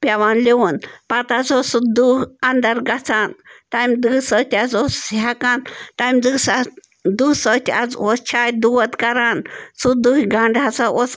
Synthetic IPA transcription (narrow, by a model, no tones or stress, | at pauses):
pʲjawanliwunpat̪at͡sosud̪uand̪əɾɡat͡sʰant̪amd̪ɨsət̪ʲad͡zosːiɦakant̪amd̪ɨsa | d̪usət̪ʲad͡zost͡ʃʰajd̪uwət̪kaɾansud̪uhɡaɳɖat͡saʔos